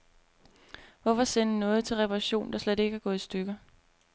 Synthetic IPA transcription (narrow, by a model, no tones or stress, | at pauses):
ʋɒfɒ̽sen̰nɔ̽ːð̞̩ˠt͡sʰe̝lʁɛpʰɑʁɑɕo̝̰ːnd̥ɑ̈sled̥e̝ɡ̥əæɡ̥ɔ̽ð̩ˠisd̥øɡ̥ɐ